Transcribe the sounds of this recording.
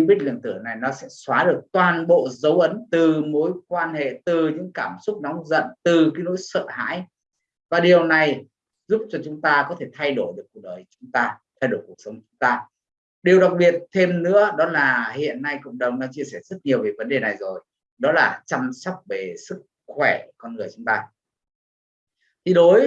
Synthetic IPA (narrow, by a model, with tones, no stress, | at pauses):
ɓi˦˥k̚lɨ̰˧˨ŋt̪ɨ˧˩əna˨˩jnɔ˨˦sɛ̰˧˥swaː˨˦ɗɨ˨˩ək̚t̪waː˨˩nɓo̰˧˨zə˨˦wʔə˨˦nt̪ɨ˨˩mo˨˦jkwaː˧nhḛ˧˨t̪ɨ˨˩ɲɨ̰˧˥ŋkaː˧˩msʊ˦˥k͡p̚nɔ˨˦wŋ͡mzə̰˧˨nt̪ɨ˨˩kaː˨˦jno̰˧˥jsə̰ː˧˨ha̰ː˧˥j | vaː˨˩ɗi˨˩əwna˨˩j | zu˦˥p̚t͡ɕɔ˧t͡ɕʊ˨˦ŋ͡mt̪aː˧kɔ˨˦t̪ʰe˧˩t̪ʰa˧jɗo˧˩jɗɨ˨˩əkːu˨˩ək̚ɗəː˨˩jt͡ɕʊ˨˦ŋ͡mt̪aː˧t̪ʰa˧jɗo˧˩jku˨˩ək̚sə˨˦ŋ͡mkt͡ɕʊ˨˦ŋ͡mt̪aː˧ | ɗi˨˩əwɗa˨˩k̚ɓi˨˩ət̚t̪ʰe˧mnɨ̰˧˥əɗɔ˨˦laː˨˩hḭ˧˨ənːa˧jkʊ̰˧˨wŋ͡mɗə˨˩wŋ͡mnɔ˨˦t͡ɕi˧əsɛː˧˩zə˦˥t̚ɲi˨˩əwve˨˩və˨˦nɗe˨˩na˨˩jzo˨˩j | ɗɔ˨˦laː˨˩t͡ɕa˧msa˦˥wk͡p̚ve˨˩sɨ˦˥k̚xwɛ˧˩ku˧˩kɔ˧nŋɨ˨˩əjt͡ɕʊ˨˦ŋ͡mt̪aː˧ | t̪ʰi˨˧˩ɗo˨˦j